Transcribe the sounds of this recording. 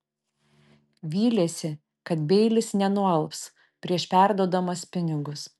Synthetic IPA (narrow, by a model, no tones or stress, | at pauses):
ʋʲiːlʲeːsʲɪ | kɐt̪bʲɛɪlʲɪsnʲɛnʊɛlˠps | pʲɾʲiɛʃpʲæˑɾd̪uɔd̪ɐmɐspʲɪnʲɪɡʊs